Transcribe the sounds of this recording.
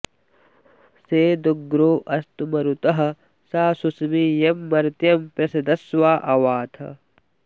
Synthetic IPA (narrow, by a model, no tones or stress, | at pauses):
seːd̪uɡɾoːʔɐst̪umɐɾut̪ɐɦɐ̆ | saːsusmiːjemːɐɾt̪jɐmpjɐsɐd̪ɐswaːʔɐʋaːt̪ʰɐ̰